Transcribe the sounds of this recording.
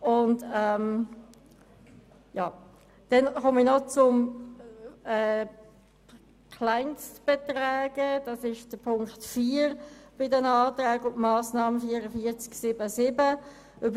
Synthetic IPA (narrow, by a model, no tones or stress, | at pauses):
ʔʊndɛm | jaː | d̥ɛnχɔminɔt͡sʊm | ɛː | kʰlaɪnsb̥etrɛːɡəd̥ɑsɪʃd̥əpʰʊŋkχtfiːrb̥ɪdɛnɑːtrɛːɡʊtmɑːsnɑːməfiːəɾəfiət͡sksɪbəsɪbə | ʔøb